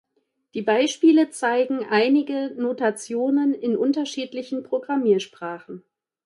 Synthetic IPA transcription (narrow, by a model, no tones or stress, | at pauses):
d̥iːbaɪʃpiːlət͡saɪɡŋ̩ʔaɪnɪɡənotat͡sjoːnənɪnʔʊntɐʃiːtlɪçn̩pʁ̥oɡʁamiːɐʃpʁ̥aːχn̩